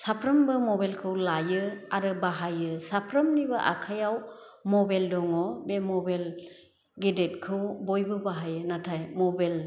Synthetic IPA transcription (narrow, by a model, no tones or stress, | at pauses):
sapʰɾɯmbɯmɔbalkʰɯwlajɯaɾɯbaɦajɯsapʰɾəmnibɯʔa̰kʰajaw | mɔbeldɔŋɔbemɔbel | ɡedet̚kʰɯwbojbɯbaɦajɯnatʰajmɔbel